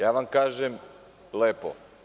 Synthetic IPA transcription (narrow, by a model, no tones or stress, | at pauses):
jaːʋamkaːʒem | leːpo̰